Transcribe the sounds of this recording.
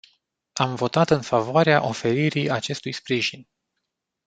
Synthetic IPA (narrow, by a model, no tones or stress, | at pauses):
amvo̞t̪at̪ɨnfavoaɾeaʔo̞fe̞ɾiɾiat͡ʃe̞st̪ujspɾiʒin